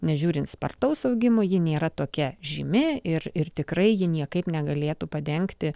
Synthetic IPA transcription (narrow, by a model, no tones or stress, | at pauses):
nʲɛʒʲuːɾʲɪnt̪spɐ̰rt̪ɐʊsɐʊɡʲɪmoːjɪnʲeːɾɐt̪oːkʲɛʒʲimʲɪɪrɪrt̪ʲɪkɾɐɪjɪnʲiɛkɐɪpnʲɛɡɐlʲeːt̪uːpɐd̪ʲɛŋkt̪ʲɪ